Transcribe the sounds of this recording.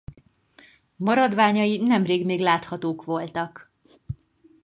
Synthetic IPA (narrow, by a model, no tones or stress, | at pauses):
mɒɾɒd̪ʋaːɲɒjinɛmreːɡmeːɡlaːt̪hɒt̪oːkʋo̞lt̪ɒk